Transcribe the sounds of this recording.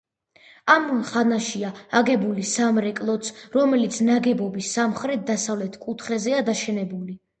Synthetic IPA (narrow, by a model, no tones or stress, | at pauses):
amχanaʃiaaɡɛbulisamɾɛkʼlˠɔt̪sʰɾɔmɛlit̪sʰnaɡɛbɔbisːamχɾɛt̪̚d̪asavlɛt̪ʰkʼut̪ʰχɛzɛad̪aʃɛnɛbuli